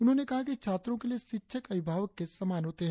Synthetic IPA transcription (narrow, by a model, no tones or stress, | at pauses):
ʊnɦõːnekɐɦakit͡ʃʰaːt̪ɾõkelieʃɪtːʃʰəkɐʋɪbʱaːʋəkːesɐmaːnɦoːt̪eɦɛ̃